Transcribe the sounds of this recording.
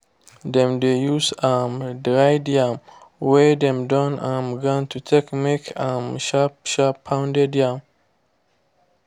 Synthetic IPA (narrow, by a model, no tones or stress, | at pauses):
dɛ̃mdejusamdɹajdiãmwɛdɛ̃mdɔ̃nãmɡãntutʰekmekãmʃaʃapʰːãw̃ndɛdiãm